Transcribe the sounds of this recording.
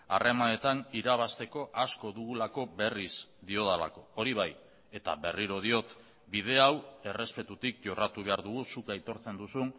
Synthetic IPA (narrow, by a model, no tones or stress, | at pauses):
a̰re̞mane̞t̪aniɾaβ̞ast̪e̞ko̞ʔasko̞ðuɣulako̞be̞rizd̪io̞ðala̰ko̞oɾiβaj | e̞t̪a̰βe̞riɾoð̞io̞t̪ | bið̞e̞awe̞re̞spe̞t̪ut̪ik̚ʝo̞rat̪uβ̞e̞aɾðuɣusukajt̪o̞ɾt͡se̞nd̪usun